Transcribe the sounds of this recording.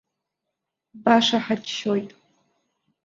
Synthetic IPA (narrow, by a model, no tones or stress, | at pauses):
baʂaħad͡ʒʃojtʼ